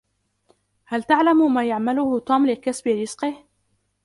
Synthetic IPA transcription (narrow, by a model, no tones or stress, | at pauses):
halt̪aʕlammaːjaʕmalʊhʊt̪ʊmlɪkasbɪɾɪz̥qɪh